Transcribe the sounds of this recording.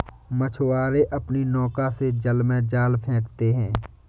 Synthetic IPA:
mət͡ʃʰwaːɾeʔɐpninɔːkased͡ʒəlmẽd͡ʒaːlpʰɛ̃ːkt̪eɦɛ̃ː

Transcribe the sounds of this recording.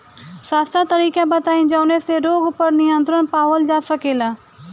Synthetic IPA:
saːst̪at̪əɾiːkãbət̪aːĩd͡ʒaːneseɾoːɡpəɾniə̃nt̪ɾənpaːʋəld͡ʒaːsəkeːlaː

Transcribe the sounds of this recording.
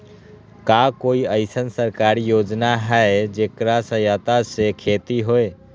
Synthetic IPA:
kakoiəɪsənsəɾkaɾijod͡ʒnaɦɛed͡ʒekɾasəjat̪asekʰet̪iɦoe

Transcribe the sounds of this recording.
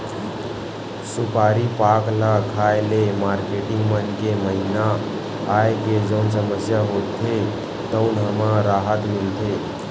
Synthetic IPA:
supaɾipaklakʰaelemaɾkeʈiŋɡmənkeməɦina | ajeked͡ʒəʊnsəməsjaɦot̪ʰe | t̪əʊnɦəmaɾaɦət̪milt̪ʰe

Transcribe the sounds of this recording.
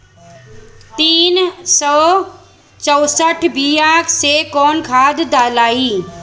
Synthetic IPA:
t̪iːnsɔː | t͡ʃɐwsəʈʰbiːaːkʰsekɔːnkʰaːd̪d̪aːlaːiː

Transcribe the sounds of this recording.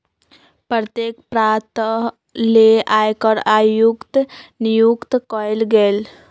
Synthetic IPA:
pəɾt̪jekpɾat̪ | leajkəɾajukt̪nijukt̪kɔjlɡel

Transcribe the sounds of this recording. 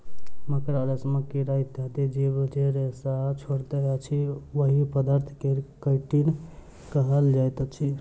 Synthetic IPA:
məkɾaɾəsməkiɾait̪at̪id͡ʒebd͡ʒeɾesat͡ʃʰoɽt̪ət͡ʃʰiʋəɦipəd̪əɾt̪ʰkekəʈin | kəɦəld͡ʒajt̪t͡ʃʰi

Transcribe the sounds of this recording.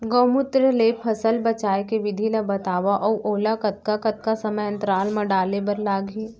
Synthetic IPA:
ɡoːmʊt̪ɾəleːpʰɐsəlbɐt͡ʃaːekeʋɪd̪ʱilabɐt̪aːʋaʔɔːʔoːlakɐt̪̚kakɐt̪̚kasɐməjɐ̃nt̪ɾaːlmãɖaːlebɐɾlaːɡʱiː

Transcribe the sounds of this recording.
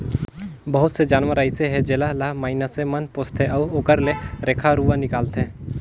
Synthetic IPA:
bəɦʊt̪sed͡ʒaːnʋəɾaːɪseɦɛd͡ʒeːlalaɦmaːɪnəsemənpoːst̪ʰeʔɔːoːkəɾleɾeːkʰaɾuːʋənɪkaːlt̪ɦɛ̃ː

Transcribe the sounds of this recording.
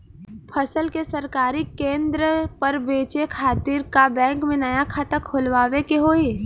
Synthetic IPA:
pʰəsəlkesɐɾkaːɾikẽːnd̪ɾəpɐɾbeːt͡ʃekʰaːt̪iːɾkabɛ̃ːŋkmẽnɐjakʰat̪əkʰʊlʋaːʋekeɦoːeː

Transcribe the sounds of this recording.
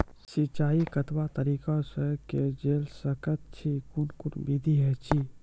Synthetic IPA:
sit͡ʃaːikət̪wat̪əɾiːkasəked͡ʒeːlsəkət̪̚t͡ʃʰikunkunbid̪ʱiɦɛt͡ʃʰi

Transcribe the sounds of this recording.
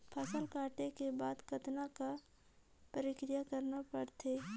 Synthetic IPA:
pʰɐsəlkaːʈekebaːd̪kɐt̪naka | pəɾɪkɾɪjakɐɾnapɐɽt̪eː

